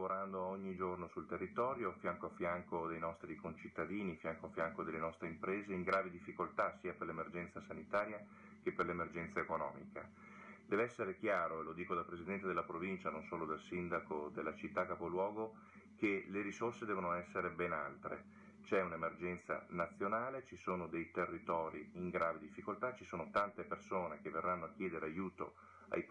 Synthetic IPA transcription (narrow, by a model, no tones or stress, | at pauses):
voɾand̪oɔɲːid͡ʒornosult̪erːit̪ɔːɾjofjaŋkoafːjaŋkod̪ejnɔst̪ɾikont͡ʃit̪ːad̪iːnifjaŋkoafːjaŋkod̪elːenɔst̪ɾeimpɾeːzeiŋɡɾaːvid̪ifːikolt̪asiːaperlemerd͡ʒɛnt̪sasanit̪aːɾja | kepːerlemerd͡ʒɛnt̪saekonɔ̰ːmḭka | d̪ɛːveɛsːeɾekjaːɾoelod̪iːkod̪alpɾezid̪ɛnt̪ed̪elːapɾovint͡ʃanonsoːlod̪alsind̪akod̪elːat͡ʃit̪ːakːapolwɔːɡo | keleɾisorsed̪ɛːvonoɛsːeɾebɛna̰lt̪ɾḛ | t͡ʃɛunemerd͡ʒɛnt̪sa̰nat̪sːjonaːlet͡ʃisoːnod̪ejt̪erːit̪ɔːɾiiŋɡɾaːved̪ifːikolt̪at͡ʃisoːnot̪ant̪epersoːnekevːerːanːoakːjɛːd̪eɾeajuːt̪o̰ | a̰j